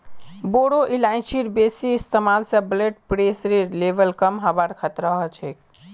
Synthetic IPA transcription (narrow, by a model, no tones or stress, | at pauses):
boɽoʔilaɪ̃t͡ʃʰiɾbesist̪emalsə̃bleʈpɾesɾiɾlebəlkəmɦəbəɾkʰət̪ɾəɦət͡ʃʰek